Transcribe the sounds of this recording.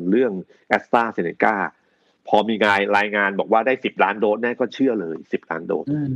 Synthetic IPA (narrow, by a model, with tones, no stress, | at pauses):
ɾɯ˥˩əŋ | ʔɛ˦˥t̪aː˥˩se˧ne˧˩kaː˥˩ | pʰɔː˧miː˧ŋaː˧jɾaː˧jŋaː˧nbɔː˨˩k̚waː˥˩daː˥˩jsi˨˩p̚laː˦˥ndoː˧˩t̪̚nɛː˥˩kɔː˥˩t͡ɕʰɯ˥˩əlɤː˧jsi˨˩p̚la̰ː˦˥ndo̰ː˧t̪̚